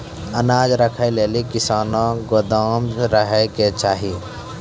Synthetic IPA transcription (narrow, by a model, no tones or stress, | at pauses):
ənaːd͡ʒɾəkʰəjleːlikɪsaːnõɡod̪aːmɾəɦɛket͡ʃaːɦi